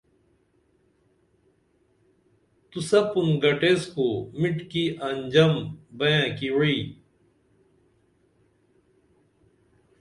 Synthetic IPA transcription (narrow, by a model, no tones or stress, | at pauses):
t̪usɐpunɡɐʈeskoːmiʈkiʔɐɲd͡ʑɐmbɐjãːkiwi